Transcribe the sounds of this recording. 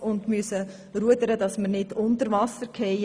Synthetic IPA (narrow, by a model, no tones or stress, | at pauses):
ʊndmyəsə | ɾuəd̪əɾəd̥ɑsməɾnɪdʊntəɾvɑsəɾkʰɛɪ